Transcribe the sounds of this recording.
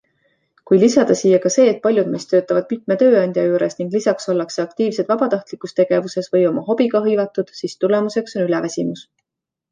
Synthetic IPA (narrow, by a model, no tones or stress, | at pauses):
kujlisɑd̪̥ɑsijɑkɑse̞ːt̪̚pɑlʲjud̪̥me̞st̪ø̞ːt̪ːˑɑvɑd̪̥̚mit̪ˑmet̪ø̞ːɑnʲd̪̥ʲjɑjuːɾe̞sniŋɡ̥lisɑkso̞lːɑkseɑkt̪iːvsed̪̥vɑbɑt̪ɑht̪likːˑust̪e̞ɡ̥e̞vuse̞svɤ̞jo̞mɑɦo̞b̥iɡ̥ɑɦɤjvɑt̪ːˑud̪̥sist̪ule̞muse̞kso̞nylɛvæsʲimus